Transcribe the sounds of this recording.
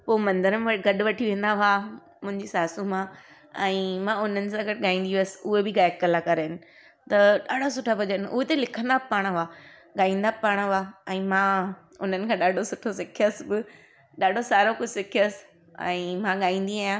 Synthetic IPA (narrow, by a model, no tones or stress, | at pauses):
poːmɐ̃nd̪əɾəmʋɐɡɐɗʊ̆ʋɐʈʰiʋẽːn̆d̪aɦʊa | mʊ̃ɦɪ̃ɲd͡ʑisaːsũmã | ɛ̃ːmãʊn̤ənɪ̆sãːɡɐʈɪɠaːĩːnd̪iʋsɪ̥ʊɦebɪɡaːɪk̚kɐlakɐɾeɪnɪ̆ | t̪ɐɗaːɖʱasʊʈʰabʱɐd͡ʑənʊɦet̪elɪkʰə̃nd̪abpaːɽ̃ɦʊaː | ɠaːĩːnd̪apaːɽ̃ɦʊaɛ̃ːmã | ʊn̤ənɪkʰãɗaːɖʱosʊʈʰosɪkʰijəsbɪ | ɗaːɖʱosaːɾokʊsɪkʰiəsɪ̥ | ɛ̰̃ːmãɠaːĩːn̆d̪iaːjã